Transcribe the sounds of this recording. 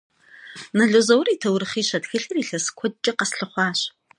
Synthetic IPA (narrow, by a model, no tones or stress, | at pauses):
nɐɮozɐwriːtʰɐwɾɨχiːɕɐdxɨɬɨriːɬɐskʷʰɔd̚t͡ʃʼɐqɐsɬɨχʷɑːɕ